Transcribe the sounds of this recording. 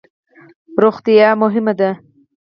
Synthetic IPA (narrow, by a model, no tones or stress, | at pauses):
ɾoxt̪ijɑmʊɦɪmad̪a